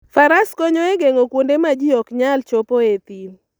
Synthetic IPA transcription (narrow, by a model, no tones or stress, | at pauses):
faɾaskɔɲɔeɡeŋokwondemad͡ʒiɔkɲalt͡ʃopoet̪il